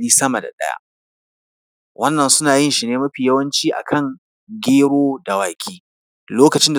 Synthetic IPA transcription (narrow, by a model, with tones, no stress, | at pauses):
iː˦sɐ˦ma˨da̰˨ɗɐ̰˦ja̰˦ | wʔɐ˦nːɐ˨nsʊ˦naː˨jɪ˦nʃi˨neː˦mɐ˦ɸiː˨jɐ˦wɐ˦nt͡ʃiː˦ʔa̰˨kʰɐ˦˨ŋ | ɡʲeː˦ɽoː˦da˨waː˨kʲʰiː˦ | loː˦kɐ˨t͡ʃɪ˦nda˨